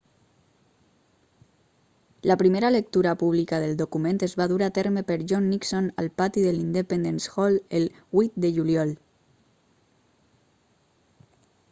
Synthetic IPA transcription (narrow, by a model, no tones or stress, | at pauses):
lapɾimeɾalək̚t̪uɾapuβ̞likaðəlˠd̪okumẽnt̪ezβaðuɾat̪eɾmepəɾʒɔnːiksona̰lpat̪iðelind̪əpend̪ensxɔlel | it̪̚d̪əʒuljɔl